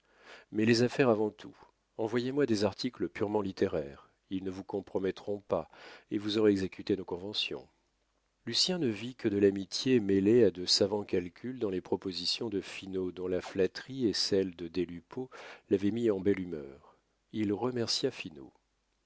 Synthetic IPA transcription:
mɛlezafɛʁavɑ̃t̪ʰu | ɑ̃vwajemwad̪ezaʁt̪ʰikləpyʁmɑ̃lit̪eʁɛːʁ | ilnəvukɔ̃pχɔmɛt̪χɔ̃paevuzɔʁeɛɡzekʲyt̪enokɔ̃vɑ̃sjɔ̰̃ | lysjɛ̃nəvikəd̪əlamit̪jemelead̪əsavɑ̃kalkʲyld̪ɑ̃lepχɔpozisjɔ̃d̪əfinod̪ɔ̃laflat̪χiesɛld̪əd̪elypolavɛmiɑ̃bɛlymœːʁ | ilʁəmɛʁsjafino̰

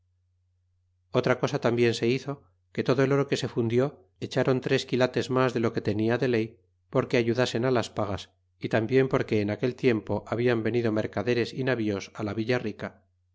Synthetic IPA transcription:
o̞t̪ɾako̞sat̪ambje̞nse̞iθo̞ | ke̞t̪o̞ðo̞e̞lo̞ɾo̞ke̞se̞fund̪jo̞ | et͡ʃaɾo̞nt̪ɾe̞skilat̪e̞zmazðelo̞ke̞t̪e̞niaðe̞le̞j | po̞ɾke̞aʝuðase̞nalaspaɣas | it̪ambje̞mpo̞ɾke̞ːnake̞lt̪je̞mpo̞ʔaβiambe̞niðo̞me̞ɾkaðe̞ɾe̞sinaβio̞salaβiʎarika

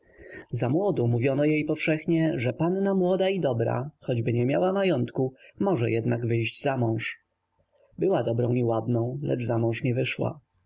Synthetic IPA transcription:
zamwɔd̪ɔ̃muvʲjɔnɔjejpɔfʂɛxɲɛʐɛpanːamwɔd̪aid̪ɔbɾa̰xɔd͡ʑbɘɲɛmʲjawamajɔnt̪kumɔʐɛjɛd̪naɡvɘjʑd͡ʑzamɔ̃w̃ʂ | bɘwad̪ɔbɾɔ̃w̃iwad̪nɔ̃w̃lɛ̰d͡ʐzamɔ̃w̃ʂɲɛvɘʂwa̰

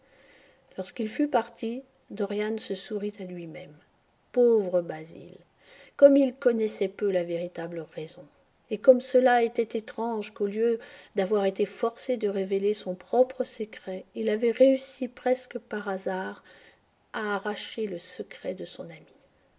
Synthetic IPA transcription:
lɔʁskilfypaʁt̪ʰi | d̪ɔʁjansəsuʁit̪alɥimɛm | povʁəbazḭl | kɔmilkɔnɛsɛpølaveʁit̪abləʁɛzɔ̃ | ekɔmsəlaet̪ɛt̪et̪χɑ̃ʒkoljød̪avwaʁet̪efɔʁsed̪əʁevelesɔ̃pχɔpχəsəkχɛilavɛʁeysipχɛskəpaʁazaʁ | aːʁaʃeləsəkχɛd̪əsɔ̃nami̥

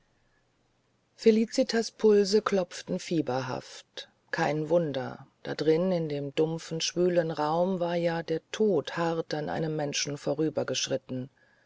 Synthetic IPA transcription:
feliːt͡sitʰaspʰʊlzəklɔp͡ftn̩fiːbɐɦa̰ft | kʰaɪnvʊndɐ̰d̥a̰dʁɪnɪndeːmdʊmfn̩ʃv̥yːlənʁaʊmvaːɐjaːdeːɐtʰoːthaʁtanʔa̰ɪnəmːɛnʃn̩foːʁyːbɐɡəʃʁ̥ɪtn̩

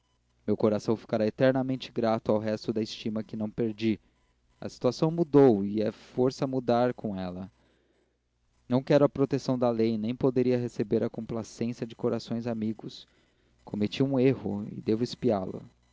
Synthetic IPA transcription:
mewkoɾasɐ̃w̃fi̥kaɾaet̪ɛɾnɐmẽnt͡ʃɪ̥ɡɾat̪ʊawɦɛst̪ʊd̪ɐɪst͡ʃimɐkɪnɐ̃w̃peɾd͡ʒi | ɐ̰si̥t̪uasɐ̃w̃mud̪owɪɛfoɾsɐmud̪aɾkõɛlɐ | nɐ̃w̃kɛɾʊɐpɾot̪esɐ̃w̃d̪ɐlejnẽj̃pod̪eɾiɐɦesebeɾɐkõmplasẽsɐd͡ʒɪkoɾasõj̃zamiɡʊs | kʰomet͡ʃiũeɦʊ̰ɪ̰d̪evʊɪspialʊ̰

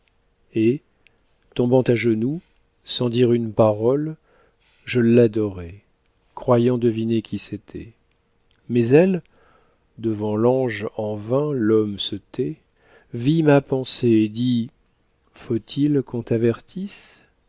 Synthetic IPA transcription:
e | t̪ɔ̃bɑ̃t̪aʒənu | sɑ̃d̪iʁynpaʁɔl | ʒəlad̪ɔʁɛ | kχwajɑ̃d̪əvinekʲʰiset̪ʰɛ̰ | mɛzɛl | d̪əvɑ̃lɑ̃ʒɑ̃vɛ̃lɔmsət̪ɛ | vimapɑ̃seed̪i | fot̪ʰilkɔ̃t̪avɛʁt̪ʰis

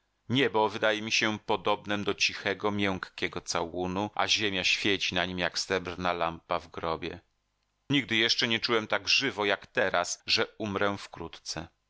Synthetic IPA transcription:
ɲɛbɔvɘd̪ajɛmʲiɕɛpɔd̪ɔbnɛmd̪ɔt͡ɕixɛɡɔmʲjɛŋ̃kkʲɛɡɔt̪sawunuʔa̰ʑemʲjaɕfʲjet͡ɕinaɲimjakst̪ɛbrnalampavɡɾɔbʲjɛ̰ | ɲiɡ̚d̪ɘjɛʂt͡ʂɛɲɛt͡ʂuwɛmt̪aɡʐɘvɔjakt̪ɛɾasʐɛumɾɛfkɾut̪t̪sɛ

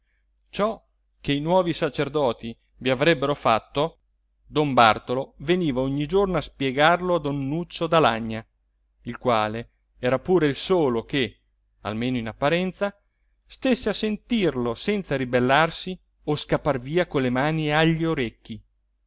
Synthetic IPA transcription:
t͡ʃɔ | keinwɔːvisat͡ʃerd̪ɔːt̪i | viavɾɛbːeɾofat̪ːo | d̪ombart̪oloveniːvaoɲːid͡ʒornoaspjeɡarload̪onːut͡ʃːod̪alaɲːa | ilkwaːle | ɛːɾapuːɾeilsoːloke | a̰lmeːnoinapːaɾɛnt̪sa | st̪esːeasent̪irlosɛnt̪saɾibelːarsi | oskapːarviːakonlemaːnieaʎːioɾekːi

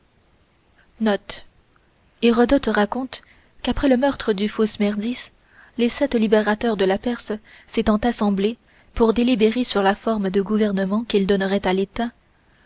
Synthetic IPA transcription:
nɔt̪ | eʁɔd̪ɔt̪ʁakɔ̃t̪ | kapχɛləmœʁt̪χəd̪yfosmɛʁd̪is | lesɛt̪libeʁat̪œʁd̪əlapɛʁs | set̪ɑ̃t̪asɑ̃ble | puʁd̪elibeʁesyʁlafɔʁməd̪əɡuvɛʁnəmɑ̃kild̪ɔnəʁɛt̪alet̪a

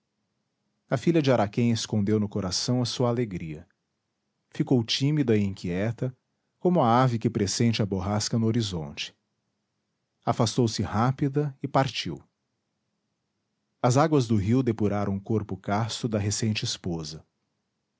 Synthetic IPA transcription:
ɐfiʎɐd͡ʒɪaɾakẽj̃eskõnd̪ewnʊkoɾasɐ̃w̃ɐsuɐːleɡɾiɐ | fikowt͡ʃĩmid̪ɐɪĩkʰiɛt̪ɐ | kõmʊɐavɪkɪpɾesẽnt͡ʃɪɐboɦaskɐnʊoɾizõ̰nt͡ʃɪ̥ | afast̪owsɪhapid̪ɐɪpaɾt͡ʃiw | ɐzaɡwɐzd̪ʊɦiwd̪epuɾaɾʔɐ̃w̃koɾpʊkast̪ʊd̪ɐɦesẽnt͡ʃɪispozɐ

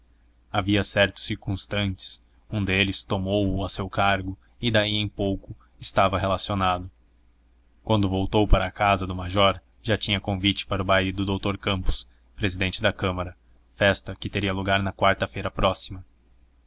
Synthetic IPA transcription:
aviɐsɛɾt̪ʊ̥siɾkũst̪ɐ̃nt͡ʃɪ̥s | ũd̪elɪst̪omowʊasewkaɾɡʊ | ɪd̪aiẽj̃powkʊ | ɪst̪avɐɦelasionad̪ʊ | kwɐ̃nd̪ʊvowt̪owpaɾɐːkazɐd̪ʊmaʒɔɾ | ʒat͡ʃĩɲɐkõvit͡ʃɪ̥paɾʊbaid̪ʊd̪owt̪oɾkɐ̃mpʊ̥s | pɾezid̪ẽnt͡ʃɪd̪ɐkɐ̃mɐɾɐ | fɛst̪ɐkɪt̪eɾiɐluɡaɾnɐkwaɾt̪ɐfejɾɐpɾɔsi̥mɐ

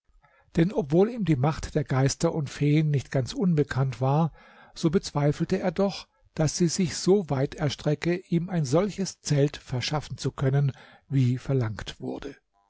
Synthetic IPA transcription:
d̥ɛnɔpv̥oːliːmdiːmaχtd̥eːɐɡaɪstɐʔʊntfeːənːɪçtɡ̥ant͡sʔʊnbəkʰantv̥aːɐ | z̥oːbət͡sv̥aɪfl̩təeːɐdɔχ | d̥asz̥iːzɪçz̥oːvaɪtʰɛɐʃtʁ̥ɛkəʔiːmaɪnzɔlçəst͡sɛltfɛɐʃafn̩t͡sukʰœnən | viːfɛɐlaŋktv̥ʊɐdə

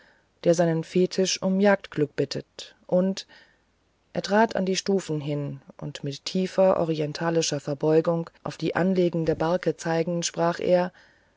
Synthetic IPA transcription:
d̥eːɐzaɪnənfeːtʰɪʃʔʊmjaːk̚tɡ̥lʏk̚b̥ɪtʰət | ʔʊnt | ʔḛːɐtʁ̥aːta̰ndiːʃtuːfn̩ɦɪnʔʊ̰ntmɪtʰːiːfɐʔɔ̰ʁ̞iɛntʰaːlɪʃɐfɛɐbɔʏɡʊŋʔa̰ʊfd̥iːʔanleːɡŋ̩deəɐbaɐkət͡saɪɡŋ̩ʃpʁ̥aːχʔḛːɐ

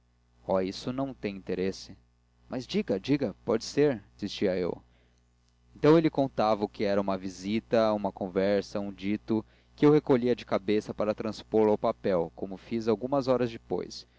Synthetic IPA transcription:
ɔisʊnɐ̃w̃t̪ẽj̃ĩnt̪eɾesɪ | mʔazd͡ʒiɡɐd͡ʒiɡɐpɔd͡ʒɪseɾsist͡ʃiɐḛw | ẽnt̪ɐ̃w̃elɪkõnt̪avɐʊkɪɛɾɐũmɐvizit̪ɐũmɐkõvɛɾsɐũd͡ʒit̪ʊ | kɪewhekoʎiɐd͡ʒɪkabesɐpaɾɐt̪ɾɐ̃spoɾlawpapɛwkomʊfizawɡũmɐzɔɾɐzd͡ʒɪpo̰js

